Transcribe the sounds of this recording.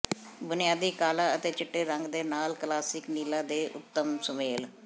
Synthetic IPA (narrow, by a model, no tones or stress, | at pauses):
bʊnɪjaːd̪iːkaːlaːət̪eːt͡ʃɪʈːeːɾəŋɡd̪eːnaːlklaːsɪkniːlãːd̪eːʔʊ̰t̪ːəmsəmeːl